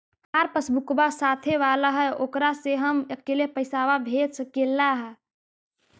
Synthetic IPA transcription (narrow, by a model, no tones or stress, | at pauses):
haɾpəsbʊkbasaːt̪ʰeʋaːlaɦɛoːkɾaseɦəməkːelepəɪsaʋabʱeːd̪səkeːlːaɦɛ